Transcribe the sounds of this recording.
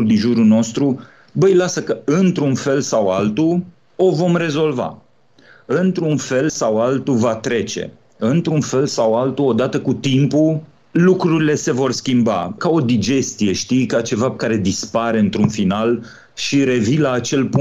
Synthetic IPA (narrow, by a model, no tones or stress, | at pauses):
ld̪inʒuɾuno̞st̪ɾu | bəjlasəkəɨnt̪ɾunfe̞lsawalt̪u | o̞vo̞mre̞zo̞lva̰ | ɨnt̪ɾunfe̞lsawalt̪uvat̪ɾe̞t͡ʃe̞̰ | ɨnt̪ɾunfe̞lsawalt̪uo̞d̪at̪əkut̪impu | lukɾuɾile̞se̞vo̞rskʲimba̰kao̞d̪id͡ʒe̞st̪ije̞ʃt̪ijkat͡ʃe̞vakaɾe̞d̪ispaɾe̞ɨnt̪ɾunfinal | ʃiɾe̞vilaːt͡ʃe̞lpu